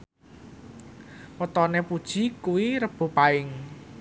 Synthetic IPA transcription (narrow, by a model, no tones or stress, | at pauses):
pət̪ɔnepud̥ʒ̥i̤kuwiɾəb̥o̤paɪŋ